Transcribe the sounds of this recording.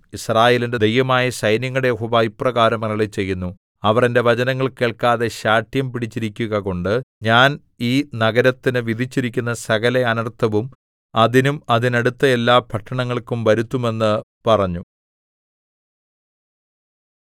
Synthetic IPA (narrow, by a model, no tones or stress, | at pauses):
israːje̞ːlinded̪ejʋɐmaːjɐɕɐjnjɐŋːɐɽejeɦoːʋaːjiprɐɣaːɾɐmeŋːɐɭet͡ɕe̞jːunːu | ɐʋɐrende̞ʋɐd͡ʑɐnɐŋːɐɭke̞ːɭkaːðe̞ɕaːʈjɐmpiɽit͡ɕːiɾikʲːuɣɐko̞ɳɖɨɲaːn | iːnɐɣɐɾɐt̪ːinɨʋid̪ʱit͡ɕːiɾikʲːunːɐsɐɣɐle̞ɐnɐrt̪ʰːɐʋum | ɐðinumɐðineɽut̪ːɐelːaːpʰɐʈːɐɳɐŋːɐɭkumʋɐɾut̪ːume̞nːɨ | pɐrɐɲːu